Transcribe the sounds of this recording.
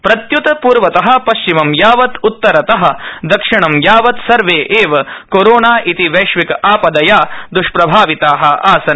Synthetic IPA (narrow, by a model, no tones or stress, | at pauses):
pɾɐt̪jut̪ɐpuːɾʋɐt̪ɐɦɐ̆pɐʃt͡ʃimɐmjaːʋɐt̪ut̪ːɐɾɐt̪ɐɦɐ̆d̪ɐkʂiɳɐmjaːʋɐt̪sɐɾʋeːʔeːʋɐkoɾoːnaːʔit̪iʋɐːʂʋikaːpɐd̪ɐjaːd̪uʂpɾɐbʱaːʋit̪aːɦɐaːsɐn